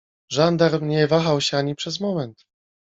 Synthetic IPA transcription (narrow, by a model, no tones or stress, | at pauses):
ʐand̪aɾmɲɛvaxawɕɛaɲipʂɛzmɔmɛnt̪